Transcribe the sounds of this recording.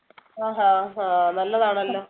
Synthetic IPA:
ɦaːɦaːɦanɐlːɐðaːɳɐlːoː

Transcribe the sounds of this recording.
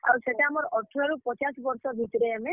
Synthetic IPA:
a̰wseʈeamɔɾɔʈʰːɔɾaɾupɔt͡ʃasbɔɾsɔbʱit̪ɔɾeame

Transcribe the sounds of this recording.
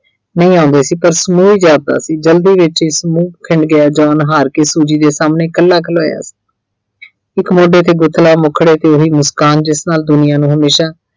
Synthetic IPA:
nəĩːãːʊnd̪eːsiːpəɾsmuːiːd͡ʒaːd̪a̰ːsiːd͡ʒəld̪iːʋɪt͡ʃɪsmuːkkʰɪɳɖɡɪaːd͡ʒɔːnɦaːɾkeːsuːd͡ʒiːd̪eːsaːmneːkəlːaːkʰəloːja̰ːsi̥ː | ɪkmoːɖeːt̪eːɡʊt̪ʰːlaːmʊkʰːɽeːt̪eːʊɦiːmʊskaːnd͡ʒɪsnaːld̪ʊnɪjãːnũːɦəmeːʃaː

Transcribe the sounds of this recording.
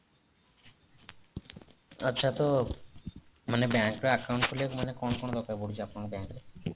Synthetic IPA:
ətːɕʰat̪o | manebɛŋkɾeakawɳʈkʰolemanekɔnkɔnod̪ɔkaboɽit͡ɕʰiapnakebɛŋkɾe

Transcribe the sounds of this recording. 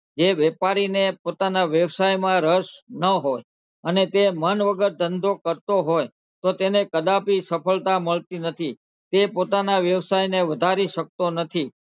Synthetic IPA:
d͡ʒeʋepaɾinepot̪anaʋjəʋsajmãɾəʃnəɦoj | ənet̪emənʋəɡəɾd̪ʱənd̪ʱokəɾt̪oɦoj | t̪ot̪enekəd̪apisəpʰəɭt̪aməɭt̪inət̪ʰi | t̪epot̪anaʋjəʋsajneʋəd̪ʱaɾiʃək̚t̪onət̪ʰi

